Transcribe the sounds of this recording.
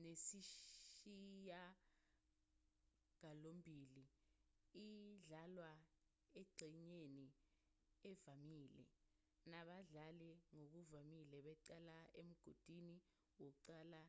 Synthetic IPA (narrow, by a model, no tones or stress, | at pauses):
nesiʃija | ŋalombʱili | iɮalwa | ɛǀiɲeni | ɛvamiːlɛ̰ | naɓaɮalɛŋok̬uvamilɛɓɛǀalaem̩ɡ̥ʱod̥ʱini | wok̬uǀaːla